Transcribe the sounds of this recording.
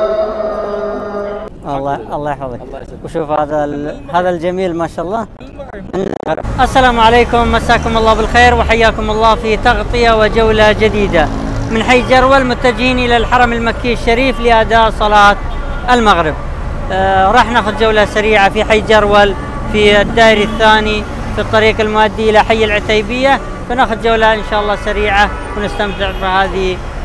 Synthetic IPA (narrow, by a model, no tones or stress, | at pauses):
ʔɑlˤːɑʔɑlˤːɑːjħfɑðˤɑkwʃuːfhaːðahaːðald͡ʒamiːlmaːʃaːʔɑlˤːɑː | mɪn̰lma̰ɣɾɪ̰bʔasːalaːmʕaleːkʊmːasaːkʊmɑlːɑːbɪlxeːɾwɪħajːaːkʊmɑlˤːɑːfit̪ɑɣt̪ˤɨjawɪd͡ʒawlad͡ʒɪd̪iːd̪a | mɪnħaːθd͡ʒɑɾˤwalmʊt̪ːad͡ʒiːnʔɪlalħɑɾˤɑmɪlmakːiʃːaɾiːflɪʔad̪aːʔsˤɑlɑːt̪ | ʔɪlmaɣɾɪb̚ | ɾˤɑːħnaːxʊd̪̚d͡ʒawlasaɾiːʕafiħajːd͡ʒɑɾwal | fid̪ːaːʔɪɾiθːaːni | fit̪ˤːɑɾiːqalmʊʔad̪ːiʔɪlaħajːalʕʊt̪ejbɪjːa | fanaːxʊd̪̚d͡ʒawlaʔɪnʃaːʔɑlˤːɑːsaɾiːʕa | wnɪst̪amt̪ɪʕfihaːði